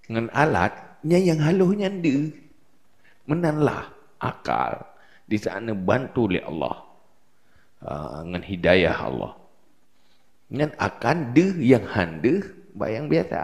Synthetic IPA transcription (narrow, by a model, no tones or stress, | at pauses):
ŋanʔala̰t̪̚ɲajaŋɦalohɲandə | mənanla̰h | ʔaka̰l | disanəbant̪ulɛ̰ɑ̰lːɔ̰h | əŋanhidaja̰hɑ̰lːɔ̰h | ɲanakandəjaŋhandəhba̰jaŋbiasa̰